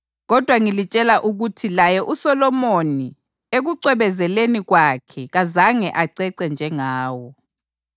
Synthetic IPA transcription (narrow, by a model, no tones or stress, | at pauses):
ɣɔd̥ʱwaŋilit͡ʃʼɛlaʔuɣutʰilajɛʔusɔlɔmoni | eɣuǀɛβɛzɛleniɣwakʰɛɣazaŋɛʔaǀɛǀɛnd͡ʒʱɛŋaːwɔ